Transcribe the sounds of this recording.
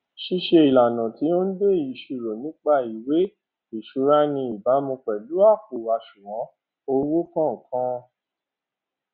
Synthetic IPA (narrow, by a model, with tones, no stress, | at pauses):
ʃi˧˦ʃe˧i˨la˨nã˨ti˨˦o˦n̩˦de˦˨i˨ʃu˨ɾo˨nĩ˨˦k͡pa˦i˨we˨˦ | i˨ʃu˨˦ɾa˦nĩ˧i˨ba˨˦mũ˧k͡pɛ˨lu˨˦a˦˨k̚u˨ɾa˧˨ʃu˨wɔ̃˨˦ | o˧˦wo˦kã˦˨kã˦